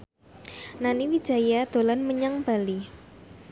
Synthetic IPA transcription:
naniwid̥ʒ̥a̤jad̪̥o̤lanməɲaŋb̥a̤li

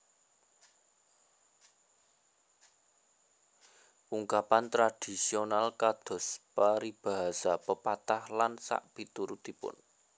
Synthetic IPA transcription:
ʔuŋkapant̪ɾad̥i̤sionalkad̪̥ɔ̤spaɾib̥a̤ɦasapəpat̪ahlansa̰ʔpit̪uɾut̪ipʊ̰n

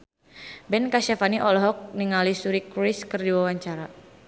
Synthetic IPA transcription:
bɛnkaʃafaniʔɔlɔɦɔk̚niŋalisuɾikɾiskərdiwawaɲt͡ʃaɾa

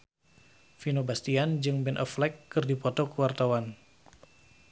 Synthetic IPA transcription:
finobast̪iand͡ʒɨŋbɛnʔɔflɛkːɨrdipɔt̪ɔkəwart̪awan

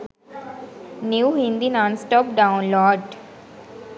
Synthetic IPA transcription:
njuːɦĩnd̪inãnsʈɔːpɖãʊ̃nlɔːɖ

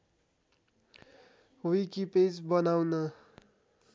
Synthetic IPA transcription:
wikiped͡zbʌnawnʌ

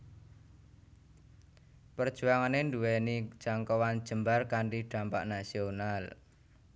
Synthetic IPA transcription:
pərd̥ʒ̥ṳaŋanenduwɛni̥ʒ̥aŋkɔwan̥ʒ̥ə̤mbarkaɳɖiɖ̥a̤mpa̰ʔnasional

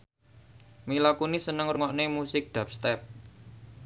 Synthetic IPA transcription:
milakunisənəŋruŋɔʔnemusɪk̚ɖ̪̥a̤p̚st̪ɛp̚

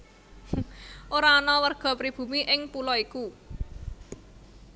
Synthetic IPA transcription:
ʔoɾaɔnɔwərɡ̥ɔ̤pɾib̥ṳmiʔɪŋpulɔiku

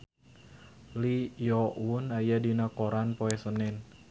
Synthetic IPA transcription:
lijɔwunajadinakoɾanpoɛsənɛn

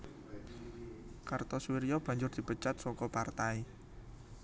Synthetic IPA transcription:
kart̪ɔswiɾijɔb̥ä̤ɲd͡ʒʊrd̪̥i̤pət͡ʃat̪̚sɔkɔpart̪ai

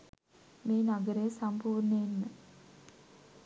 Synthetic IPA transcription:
meːnaɡəɾəjəsampuːrɳəenːə

